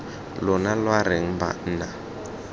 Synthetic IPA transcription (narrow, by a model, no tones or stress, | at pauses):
lʊnalwaɾɪŋ̩ba̰n̩ːna